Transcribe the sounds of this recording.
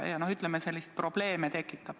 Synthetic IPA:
jɑno̞hyt̪ˑlemese̞lʲːist̪̚pro̞b̥le̞ːmet̪e̞kːˑitt̪ːˑɑb̥

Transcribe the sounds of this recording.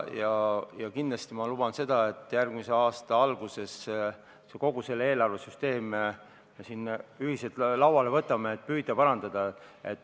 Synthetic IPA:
jɑjɑkind̪lɑst̪imɑlub̥ɑnse̞d̪̥ɑe̞t̪ːˑjærɡ̥mise̞ɑːst̪ɑɑlɡ̥use̞s | seko̞ɡ̥use̞lːee̞ːlɑrvesyst̪e̞ːm | mesinːyɦiselt̪lɑwwɑle̞vɤt̪ːˑɑmeet̪̚ːˑpyːd̪̥ɑpɑɾɑnd̪̥ɑd̪̥ɑḛt̪ː

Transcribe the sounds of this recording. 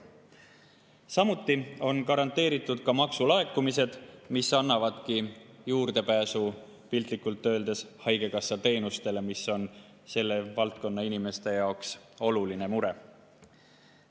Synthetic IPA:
sɑmut̪ːˑio̞nkɑɾɑnt̪ːe̞ːɾit̪ːˑud̪̥kɑmɑksulɑe̞kːˑumise̞d̪̥misːɑnːɑvɑd̪̥kijuːrd̪̥e̞pæːsu | pilt̪likːˑult̪ːø̞ːld̪̥e̞shɑjɡe̞kɑsːɑt̪e̞ːnust̪e̞le̞misːo̞n | se̞lːe̞vɑlt̪̚ko̞nːɑinime̞st̪e̞jɑokso̞luline̞muɾe̞

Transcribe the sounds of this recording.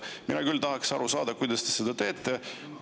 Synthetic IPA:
minɑkylt̪ɑɦɑksɑɾusɑːd̪̥ɑkujd̪̥ɑst̪e̞sed̪̥ɑt̪e̞ːt̪ːˑe

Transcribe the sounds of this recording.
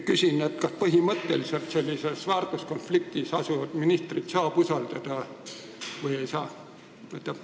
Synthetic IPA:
kysʲinet̪kɑspɤɦimɤt̪ːelise̞lt̪se̞lʲːise̞svɑːrt̪usko̞nflik̚t̪isɑsuvɑd̪̥minist̪rit̪sɑːb̥usɑld̪̥ɑd̪̥ɑ | vɤje̞jsɑː | et̪ːˑɑ̥

